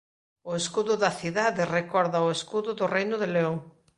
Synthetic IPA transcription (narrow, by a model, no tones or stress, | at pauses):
ʊeskuðʊðɐθiðaðerekɔɾðɐoeskuðʊðʊrejnʊðeleoŋ